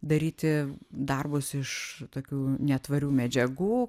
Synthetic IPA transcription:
d̪ɐɾʲiːt̪ʲɪd̪ɐrbʊsɪʃt̪oːkʲuːnʲɛt̪ʋɐɾʲuːmʲɛd͡ʒʲɛɡuː

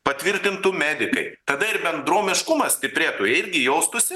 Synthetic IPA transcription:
pɐt̪ʲʋʲɪɾʲt̪ʲɪnt̪ʊmʲæːd̪ʲɪkɐ̰ɪt̪ɐd̪ɐɪɾbʲɛnd̪ɾoːmʲɪʃkʊmɐsʲt̪ʲɪpʲɾʲeːt̪oːjɛɪɾʲɡʲɪjoʊst̪ʊsʲɪ

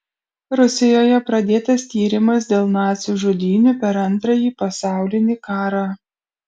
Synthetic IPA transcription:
ɾʊsʲɪjoːjɛpɾɐd̪ʲeːt̪ɐst̪ʲiːɾʲɪmɐs̬d̪ʲeːlˠnɑːt̪sʲuːʒʊd̪ʲiːnʲupʲɛɾɐnˑt̪ɾɐjiːpɐsɑˑʊlʲɪnʲiːkɑːɾɑː

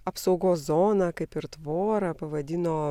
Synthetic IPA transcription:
ɐpsɐʊɡoːszoːnɐkɐɪpɪɾt̪ʋoːɾɐpɐʋɐd̪ʲɪnoː

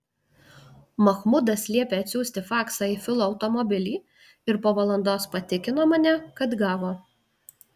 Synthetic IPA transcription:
mɐxmʊd̪ɐsʲlʲiɛpʲeːɐt̪ʲsʲuːsʲt̪ʲɪfɑːksɑːiːfʲɪlˠoːɐʊt̪ɔmɔbʲɪlʲiː | ɪɾpoːʋɐlˠɐnd̪oːspɐt̪ʲɪkʲɪnoːmɐnʲɛkɐt̪ɡɑːʋoː

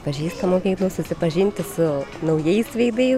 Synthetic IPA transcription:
pɐʒʲiːst̪ɐmoːkʲiːklˠɐʊsʊsʲɪpɐʒʲɪnʲt̪ʲɪsʊnɐʊjɛɪsʋʲɐɪd̪ɐɪ

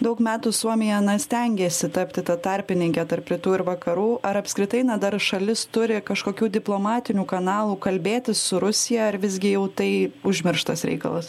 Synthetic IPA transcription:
d̪ɐʊkmʲæːt̪uːsuɔmʲɪjɛɐnɐsʲt̪ʲɛŋʲɡʲeːsʲɪt̪ɐpʲt̪ʲɪt̪ɐt̪ɐɾʲpʲɪnʲɪŋʲkʲɛt̪ɐrpɾʲɪt̪uːɪɾʋɐkɐɾuːɐɾɐpskɾʲɪt̪ɐɪnɐd̪ɐɾʃɐlʲɪst̪ʊɾʲɪkɐʃkoːkʲuːd̪ʲɪplˠoːmɑːt̪ʲɪnʲuːkɐnɑːlˠuːkɐlʲbʲeːt̪ʲɪsːʊɾʊsʲɪjɛɐɾʋʲɪzʲɡʲɪjɛʊt̪ɐɪʊʒʲmʲɪɾʃt̪ɐsɾʲɛ̰ɪkɐ̰lˠɐs

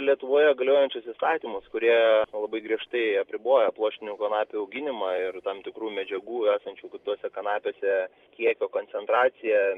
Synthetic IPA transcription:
lʲiɛt̪ʊʋoːjɛɡɐlʲoːjɛnʲt͡ʃʲʊsɪst̪ɑːt̪ʲiːmʊskʊɾʲiɛlˠɐbɐɪɡɾʲiɛʃt̪ɐɪɐpʲɾʲɪboːjɛplˠoːʃʲt̪ʲɪnʲuːkɐnɑːpʲʊɐʊɡʲɪnʲɪmɑːɪrt̪ɐmt̪ʲɪkɾuːmʲɛd͡ʒʲɛɡuːæːsɐnʲt͡ʃʲuːkʲɪt̪uɔsʲɛkɐnɑːpʲoːsʲɛ | kʲiɛkʲoːkoːnʲsʲɛnt̪ɾɑːt͡ssʲɪjɛ

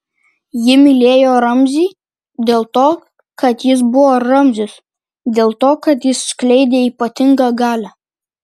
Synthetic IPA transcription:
jɪmʲɪlʲeːjoːɾɐmʲzʲiː | d̪ʲeːlˠt̪oː | kɐt̪jɪs̬bʊʋoːɾɐmʲzʲʊs | d̪ʲeːlˠt̪oːkɐt̪jɪsːklʲɛɪd̪ʲeːiːpɐt̪ʲɪŋɡɐɡɑːlʲæ

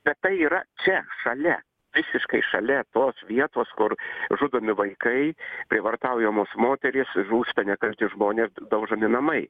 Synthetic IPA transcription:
b̥ʲɛt̪t̪ːɐɪiːɾɐt͡ʃʲɛʃɐlʲɛ | ʋʲɪsʲɪʃkɐɪʃɐlʲɛt̪oːsʋʲiɛt̪oːskʊɾʒʊd̪omʲɪʋɐɪkɐɪpʲɾʲɪʋɐrt̪ɑʊjɛmoːsmoːt̪ʲɛɾʲɪsʒuːst̪ɐnʲɛkɐlʲt̪ʲɪʒmoːnʲeːsd̪ɐʊʒɐmʲɪnɐmɐɪ

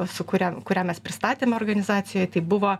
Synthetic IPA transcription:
sʊkʊɾʲɛkʊɾʲæːmʲɛspʲɾʲɪst̪ɑːt̪ʲeːmʲoːrɡɐnʲɪzɑːsʲɪjoːjt̪ɐɪbʊʋoː

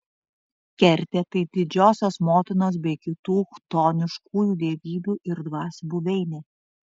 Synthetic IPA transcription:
kʲɛɾʲt̪ʲet̪ɐɪd̪ʲɪd͡ʒʲoːsʲoːsmoːt̪ʲɪnoːs̬bʲɛɪkʲɪt̪uːxt̪oːnʲɪʃkuːjuːd̪ʲeːʋʲiːbʲuːʔɪɾd̪ʋɑːsbuʋʲɛɪnʲeː

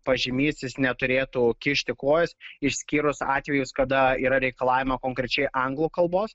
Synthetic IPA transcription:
pɐʒʲɪmʲiːsʲɪsnʲɛt̪ʊɾʲeːt̪uːkʲɪʃʲt̪ʲɪkoːjɛsɪʃʲsʲkʲiːɾʊsɑ̰ːt̪ʲʋʲɛjʊskɐd̪ɐiːɾɐɾʲɛɪkɐlˠɑːʋʲɪmɐkoːŋkɾʲɛt͡ʃʲɛɪʔɐŋɡlˠuːkɐlˠboːs

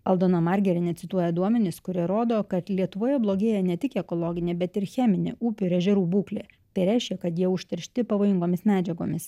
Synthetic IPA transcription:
ɐlˠd̪oːnɐmɐɾʲɡʲɛɾʲɪnʲɛt̪sʲɪt̪uɔjɛd̪uɔmʲɛnʲɪskʊɾʲiɛɾoːd̪oːkɐt̪lʲiɛt̪ʊʋoːjɛblˠoːɡʲeːjɛnʲɛt̪ʲɪkɛkolˠoːɡʲɪnʲeːbʲɛt̪ɪɾxʲæːmʲɪnʲḛːʔuːpʲɪɪɾɛʒʲɛɾuːbuːklʲḛːt̪ɐɪɾʲæˑɪʃʲkʲɛkɐt̪jiɛʊʃʲt̪ʲɛɾʲʃʲt̪ʲɪpɐʋoːjɪŋɡoːmʲɪsmʲæːd͡ʒʲɛɡo̰ːmʲɪs

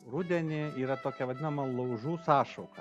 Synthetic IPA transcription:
ɾʊd̪ʲɛnʲɪiːɾɐt̪oːkʲɛʋɐd̪ʲɪnɐmɐlˠɐʊʒuːsɑːʃɐʊkɐ

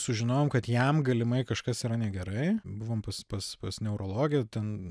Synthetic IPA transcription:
sʊʒʲɪnoːjoːmkɐt̪jɛmɡɐlʲɪmɐɪkɐʃkɐsiɾɐnʲɛɡʲɛɾɐɪbʊʋoːmpɐspɐspɐsnʲɛʊɾoːlˠoːɡʲɪjɛt̪ʲɛn

